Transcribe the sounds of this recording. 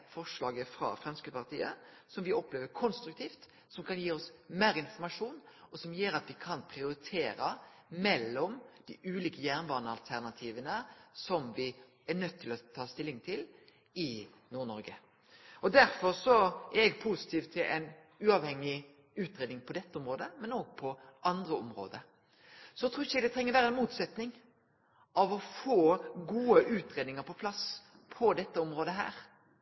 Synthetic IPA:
fɔʂlɑːɡəfɾɑ̰fɾɛmskəpɑʁt̪ʰiːə̰ | sɔmʋɪɔpːleːʋəɾkʰɔnst̪ɾʉkt̪ʰiːft̪ | sɔmkʰɑnjiːɔsmeːɾɪnfɔɾmɑʂuːnɔsɔmjøːɾɑt̪ʋɪkʰɑnpʰɾɪʊɾɪt̪ʰeːɾəmɛlːɔmd̪̥ɪʔʉːliːkəjæːʁnʋɑːnəɑlt̪ʰæʁnɑt̪ʰiːʋənəsɔmʋɪ | æɾnœt̪ʰːɪlɔt̪ʰɑːst̪ɪlːɪŋt̪ʰɪl | ɪ | nuːɾnɔɾɡə | ɔd̪æɾfɔɾsɔʔæɾɛɡ̚pʰusɪ̥t̪ʰiːʋt̪ʰːɪlʔɛ̰ɪn | ʉːɑʋhɛŋːɪ | ʉːt̪ɾeːd̪nɪŋpʰɔd̪ɛt̪ːəɔmɾoːd̪əmɛnoːɡ̚pʰɔʔɑnd̪ɾəɔmɾo̰ːd̪ə | sɔɛt̪ɾuːɪçːəɡd̪ɛt̪ɾɛŋːəɾʋæːɾəɛnmuːt̪sɛt̪nɪŋ | ɑʋɔfoːɡuːəʔʉːt̪ɾeːd̪nɪŋəɾpʰɔpʰlɑs | pʰɔd̪ɛt̪ːəɔmɾoːd̪əɦæ̰ːɾ

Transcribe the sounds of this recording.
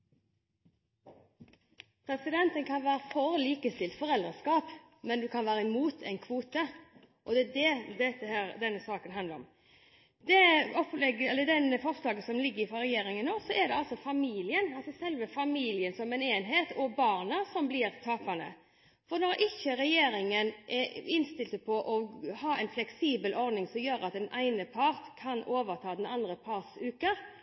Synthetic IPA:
pʰɾɛsɪd̪ɛnt̪ənkʰɑnʋæːɾəfɔʁliːkəst̪ɪlt̪fɔɾɛld̪ʁəskɑːp | mɛnd̪ʉkʰɑnʋæːɾəɪmuːt̪ʰɛɪnkʰʋuːt̪ə | ʔɔd̪ɛd̪ɛd̪ɛt̪ːəhæːɾd̪ɛnːəsɑːkənɦɑnd̪əɾɔ̰m | d̪ɛɔplɛɡəɛlːəd̪ɛnfɔɾslɑːɡəsɔmlɪɡːəɾɪfɾɔɾɛjeːɾɪŋənːoːsɔʔɛd̪ɛɑlsɔfɑmiːlɪənɑlsɔsɛlʋəfɑmiːlɪənsɔmɛneːnɦeːt̪ɔbɑːʁnɑsɔmblɪɾt̪ʰɑːpɑnə̰ | fɔɾnɔɾʔɪçːəɾɛjeːɾɪŋənʔɛɪnst̪ɪlt̪əpʰɔʔɔhɑːɛɪnflɛksiːbəlʔɔɾd̪nɪŋsɔmjøːɾɑt̪̚d̪ɛnʔæɪnəpʰɑʁt̪kʰɑnoːʋəʁt̪ʰɑːd̪ɛnɑnd̪ɾəpʰɑɾsʉːkə

